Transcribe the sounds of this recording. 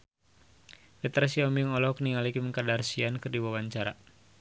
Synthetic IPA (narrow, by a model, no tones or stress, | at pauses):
fɛt̪ɾasiɔmiŋɔlɔhkniŋalikiməŋkadarsiankɨrdiwawaɲt͡ʃaɾa̰